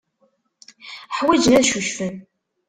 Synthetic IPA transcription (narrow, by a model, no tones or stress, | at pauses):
ħwəd͡ʒnæðʃuʃfən